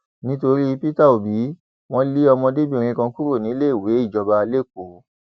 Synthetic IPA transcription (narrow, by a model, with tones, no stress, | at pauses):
nĩ˦to˧ɾi˦˧pi˦ta˦˨o˨bi˨˦ | w̃ɔ̃˦li˦ɔ˧mɔ̃˧de˦bi˦ẽ˨ɾ̃ĩ˧kã˧ku˦ɾo˦˨nĩ˨˦le˦i˦˨we˨˦i˦˨d͡ʒɔ˧ba˧le˦˨ko˨˦